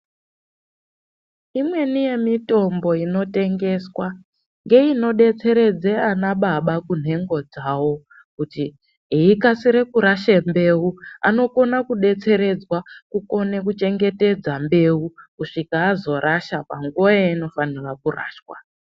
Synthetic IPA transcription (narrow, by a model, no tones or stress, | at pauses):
imwe̞nije̞mito̞mbo̞ino̞te̞ŋɡe̞swa | ŋɡe̞ino̞ɗe̞t͡se̞ɾe̞d͡zeanaɓaɓakun̤e̞ŋɡo̞d͡zaːwo̞ | kuti | eikasiɾe̞kuɾaʃembe̞ua̰no̞ko̞nakuɗe̞t͡se̞ɾe̞d͡zwakuko̞nekut͡ʃe̞ŋɡe̞te̞d͡zambe̞ukuʂikaːzo̞ɾʔaʃapaŋɡuaaino̞fanirakura̰ːʃwa̰